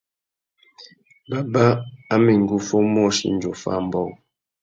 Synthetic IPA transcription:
ba˨ba˦a˦mi˨ŋ˨ɡu˦fo˦m˦ɔ˦˨ʃḭ˨n˦d͡ʒo˨fa̰˦˨m̩˦bɔ˦˨

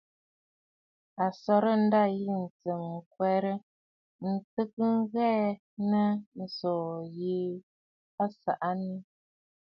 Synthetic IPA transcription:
a˨sɔ˨ɾə˦n̩˦da˦˨ji˦˨n̩˨t͡sə˨m̩˨kwɛ˨ɾə˦ | n̩˨tə˦k̚ə˦ŋ̩˦ɣɛ˦ | nə˦n̩˨sɔ˨ji˦ | pa˦sa˨ʔa˦ni˦

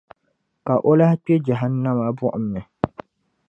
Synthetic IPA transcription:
ka˨ʔo˦la˦hk͡pɛ˦d͡ʒa˨ɦa˦n˦nːa˦ma˨bʊ˦ʔʊ˨mːɛ˨

